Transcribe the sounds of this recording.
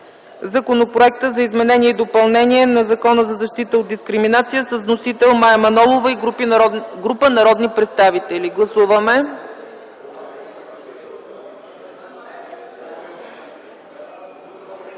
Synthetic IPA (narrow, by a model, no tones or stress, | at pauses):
zɐkonopɾoɛk̚t̪əzɐizmɛnɛniɛid̪opɐlˠnɛniɛnɐzɐkɔnəzɐzɐʃt̪it̪əod̪̚d̪iskɾiminat̪sijəsəsnosit̪ɛlˠmaɛmɐnɔlˠovəi | ɡɾupənɐɾɔd̪nipɾɛt̪st̪avit̪ɛliɡlˠɐsuvəmɛ